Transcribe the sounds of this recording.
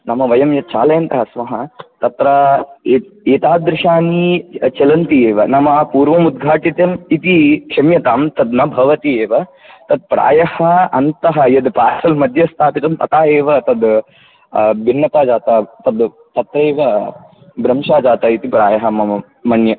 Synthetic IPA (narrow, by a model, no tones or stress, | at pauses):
nɐmɐʋɐjɐmjɐt̪̚t͡ʃaːlɐjɐnt̪ɐɦɐsmɐɦɐt̪ɐt̪ɾɐeeːt̪aːd̪ɾɪʂaːnit͡ʃɐlɐnt̪ieːʋɐnɐmɐpuːɾʋɐmud̪̚ɡʱaːʈit̪jɐmit̪ikʂɐmjɐt̪aːmt̪ɐd̪nɐbʱɐʋɐt̪ieːʋɐ | t̪ɐd̪̚pɾa̰ːjɐhɐɐnt̪ɐɦɐjɐd̪paːsɐlmɐd̪ʱjɐst̪ʰaːpit̪ɐmt̪ɐt̪aːeːʋɐt̪ɐd̪ | bʱinːɐt̪aːd͡ʒaːt̪ɐt̪ɐd̪ | t̪ɐt̪ɾeːʋɐ | bɾɐmʂaːd͡ʒaːt̪ɐit̪ipɾaːjɐɦɐmɐ | mɐnjɐ